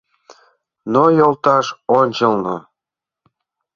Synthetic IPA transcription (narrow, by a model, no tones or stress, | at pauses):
nojolt̪ɑʃonʲt͡ɕəlno̰